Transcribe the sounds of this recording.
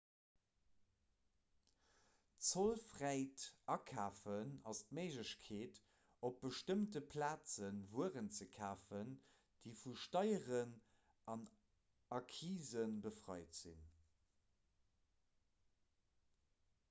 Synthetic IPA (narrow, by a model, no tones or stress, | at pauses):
t͡solfʁæɪtɑkʰaːfənɑstmeɪʒəɕkʰeːt | op̚b̥əʃtəmtəpʰlaːt͡sənvuəʁənt͡səkʰaːfən | d̥iɪfuʃtɑɪəʁən | ʔɑn | ɑkʰiːzənbəfʁɑɪtz̥ḭn